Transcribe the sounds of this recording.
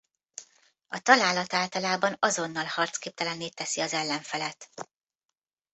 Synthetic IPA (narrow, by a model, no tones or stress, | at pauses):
ɒt̪ɒlaːlɒt̪aːlt̪ɒlaːbɒnɒzo̞nːɒlhɒrt̪skeːp̚t̪ɛlɛnːeːt̪ːɛsiɒzɛlːɛɱfɛlɛt̪